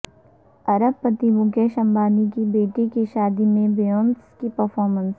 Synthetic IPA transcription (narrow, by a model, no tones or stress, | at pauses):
ɐɾəb̚pːɐt̪imʊɡjeʃɐ̃mbaːnikibeːʈikiʃaːd̪imẽbejoːnskipɐɾfɔːɾmə̃ns